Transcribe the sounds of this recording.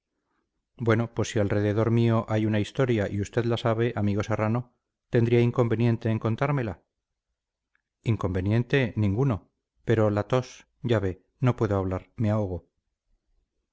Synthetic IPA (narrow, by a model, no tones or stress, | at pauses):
bwe̞no̞pwe̞sːialre̞ðe̞ðo̞ɾmio̞ʔajunaist̪o̞ɾjaʔiust̪e̞ðlasaβ̞e̞ʔamiɣo̞se̞rano̞ | t̪e̞nd̪ɾiaiŋko̞mbe̞nje̞nt̪e̞ːŋko̞nt̪aɾmela | iŋko̞mbe̞nje̞nt̪e̞nĩŋɡuno̞ | pe̞ɾo̞lat̪o̞s | ɟ͡ʝaβe̞ | no̞pwe̞ðoaβ̞laɾmeaoɣ̞o̞